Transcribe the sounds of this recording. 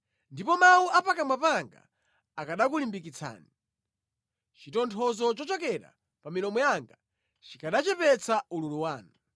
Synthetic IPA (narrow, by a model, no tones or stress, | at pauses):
ndipɔmauʔapakamwapaŋɡa̰ | akaɗakulimbikit͡sʰa̰ːni | t͡ʃitɔntʰɔzɔt͡ʃɔt͡ʃɔkɛɾa̰ | paminɔmɔjaŋɡa | t͡ʃikaɗat͡ʃɛpɛt͡saululuwaːnu